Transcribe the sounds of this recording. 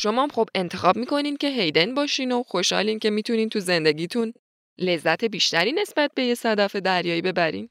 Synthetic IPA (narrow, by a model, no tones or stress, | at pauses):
ʃo̞mɒːmxobe̞nt̪ʰe̞xɒːb̚miːkʰo̞niːncʲʰe̞ɦe̞jd̪enbɒːʃino̞xo̞ʃhɒ̰liːncʰe̞miːt̪ʰuniːnt̪ʰuze̞nd̪e̞ɟiːt̪ʰun | le̞zːæt̪ʰe̞biːʃt̪æɾiːne̞sbæt̪̚be̞jesæd̪ɒːfe̞d̪æɾjɒːjibe̞bæɾḭːn